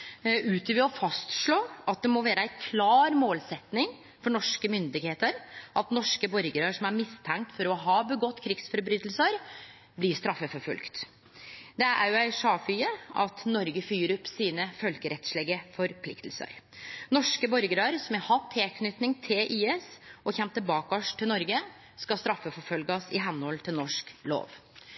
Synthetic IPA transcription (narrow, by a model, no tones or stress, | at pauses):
ʔʉːt̪ʰəʋɪɔfɑst̪ʂɭoːʔɑt̪̚d̪ɛmɔʋæːɾəæɪkʰlɑːɾmoːlsɛt̪nɪŋ | fɔɳɔʂkəmʏnd̪ɪɡheːt̪əɾʔɑt̪nɔʂkəbɔɾɡəɾəʂɔmæɾmɪst̪ʰɛŋk̚t̪fɔɾɔɦɑːbəɡɔt̪ːkʰɾɪɡsfɔɾbɾyːt̪əlsəɾ | blɪʂt̪ɾɑfːəfɔfʉ̰lkt̪ | d̪ɛʔæ̰ɾjʊæɪʂɑːfyːəɑt̪nɔɾɡəfyːɾʉpsiːnəfœlkəɾɛt̪ʂɭeːɡəfɔɾpʰlɪ̰kt̪l̩sə̰ɾ | nɔʂkəbɔɾɡəɾəɾsɔmæhɑt̪ʰːeːkʰnʏt̪nɪŋt̪ʰɪlʔiːɛsɔçɛmt̪ːəbɑːkɔʂʈ̪ʰːɪlnɔɾɡə | skɑst̪ɾɑfːəfɔɾfœlɡɑsɪɦɛnːhɔlt̪ʰɪlnɔʂklo̰ːʋ